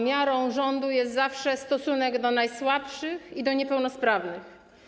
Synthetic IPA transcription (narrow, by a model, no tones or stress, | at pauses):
mʲjaɾɔ̃w̃ʐɔnd̪ujɛst̪zafʂɛst̪ɔsunɛɡd̪ɔnajswapʂɘxid̪ɔɲɛpɛwnɔspɾavnɘx